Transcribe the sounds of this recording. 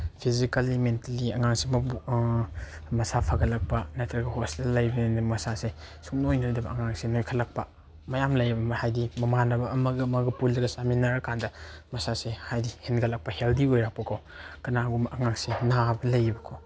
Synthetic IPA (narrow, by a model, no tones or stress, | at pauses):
pʰizikɐlːimentaliɐŋaŋsemɐb | mɐsapʰaɡɐlɐk̚pɐnɐtʰɐɡɐhostelːɐjbɐninɐmɐsase | suknojnojdɐbɐ̰ʔɐŋaŋsenojkʰɐlɐk̚pɐ | mɐjamlɐjbɐmɐhajdimɐmanɐbɐːmɐɡɐmɐɡɐpulːɐɡɐsaminaɾɐkʰandɐmɐsasehajdihenɡɐlɐk̚pɐheldiojɾak̚pɐkʰow | kɐnaɡumʔɐŋaŋsenabɐlɐjbɐkʰow